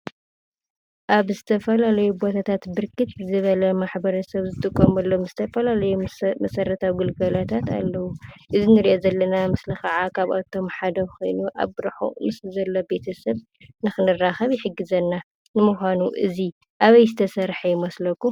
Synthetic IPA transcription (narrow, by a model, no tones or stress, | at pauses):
ʔaβzɨt̪ʰɐfɐlalɐjubo̞t̪ʰat̪ʰat̪bɨɾkʰɨt̪zɨβɐlɐmaħbɐɾɐsɐβzɨt̪ʼɨkʼːomɐlːo̞mzɨt̪ʰɐfɐlalɐjumɐsɐɾɐt̪ʰawɡɨlɡɐlat̪ʰat̪a̰lːɐwuʔɨzinɨɾiʔozɐlːɐnamɨslɨxɐʕakʰaβa̰t̪ʰo̞mħad̪ɐxo̞̰jnuʔa̰βɾħṵmɨslzɐlːobe̞t̪ʰɐsɐβ | nɨxɨnɨraxɐβjɪħɨɡːɨzɐnːa | nɨmuxʷanuʔɨ̰zi | ʔaβɐjzɨt̪ʰɐsɐɾħɐjɪmɐslɐkːu